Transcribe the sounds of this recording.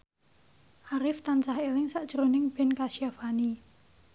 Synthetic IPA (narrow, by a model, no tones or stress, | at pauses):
ʔaɾɪft̪ansahelɪŋsaʔd̥ʒ̥əɾonɪŋb̥ɛ̤nkasiafani